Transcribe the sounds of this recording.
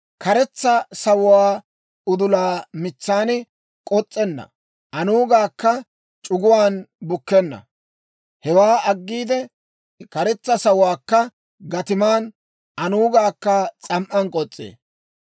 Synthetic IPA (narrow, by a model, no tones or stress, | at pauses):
kɐɾɛt͡sːɐsɐwʊwaː | ʊd̪ʊlaːmɪt͡sːaːnɪ | kʼɔt͡sʼːɛnːɐ̰ | ʔɐnuːɡaːkːɐ | t͡ʃʼʊɡʊwaːnbʊkːɛnːɐ̰ | hɛwaːɐɡːiːd̪ɛ | kɐɾɛt͡sːɐsɐwʊwaːkːɐ | ɡɐt̪ɪmaːn | ʔɐnuːɡaːkːɐt͡sʼɐmʔɐnkʼɔt͡sʼːḛː